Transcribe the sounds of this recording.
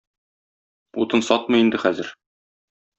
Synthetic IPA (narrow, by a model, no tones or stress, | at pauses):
ut̪ɤnsɒt̪̚mɤ̆jind̪ɘχæzɘɾ